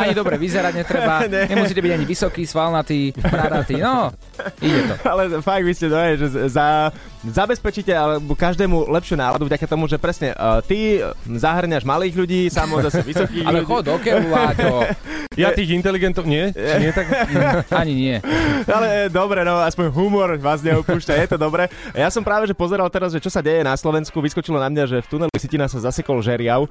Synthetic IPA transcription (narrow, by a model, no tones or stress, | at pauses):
aɲid̪ɔbɾɛʋizɛɾaɟɲɛt̪ɾɛbaɲɛɲɛmusiːcɛbiɟaɲiʋisɔkiːsʋalnat̪iːmɾaɾt̪iːnɔ | iɟɛt̪ɔ̰alɛfaɡ̚ʋiscɛd̪ɔɛʒɛza | zabɛspɛt͡ʃicɛalɛbkaʒd̪ɛːmulɛpʃɪunaːlad̪uvɟakat̪ɔmuʒɛpɾɛsɲɛ̰t̪izaɦr̩ɲaʒmaliːɣʎuɟiːsamɔzasuʋisɔkiːa̰lɛxɔɔkɛlulatɔjat̪iːɣint̪ɛliɡɛnt̪ɔʊɲɪɛt͡ʃɲɪɛt̪akaɲiɲɪɛalɛd̪ɔbɾɛnɔaspɔɲɦumɔɾʋaːzɲɛupuːʃcajɛt̪ɔd̪ɔbɾɛjasɔmpɾaːʋɛʒɛpɔzɛɾalt̪ɛɾazʒɛt͡ʃɔsaɟɛjɛnaslɔʋɛnskuʋiskɔt͡ʃilɔnamɲaʒɛft̪unɛlisicinaxsazasɛkɔlʒɛɾɪaʊ